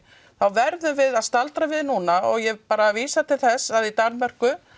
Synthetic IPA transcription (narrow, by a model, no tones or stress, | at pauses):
θawvɛɾðʏmvɪðaðst̪alt̪ɾavɪðnuːnaɔɣjɛpaːɾaviːsat̪ʰɪlθɛsːaðit̪aɾnmɛr̥kʏ